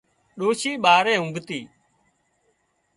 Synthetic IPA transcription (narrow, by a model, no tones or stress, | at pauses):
ɗoːʃiːɓaːɾɛ̃ːɦʊ̃ŋɡt̪iː